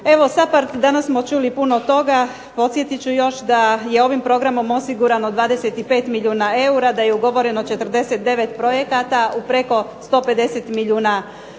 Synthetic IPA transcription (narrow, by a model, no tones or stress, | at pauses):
e̞ʋo̞sapaɾt̪d̪anasːmo̞t͡ʃulipuno̞t̪o̞ɡa | po̞t̪sje̞t̪it͡ɕujo̞ʃd̪aje̞o̞ʋimpɾo̞ɡɾamo̞mo̞siɡuɾanod̪ʋaːd̪eset̪ipe̞ːt̪miʎʲuːnae̞uɾad̪aje̞uɡo̞ʋo̞ɾe̞not͡ʃe̞t̪r̩d̪e̞set̪̚d̪e̞ʋe̞t̪pɾo̞je̞kat̪aupɾe̞ko̞st̪o̞ːpe̞d̪e̞se̞t̪miʎʲuːna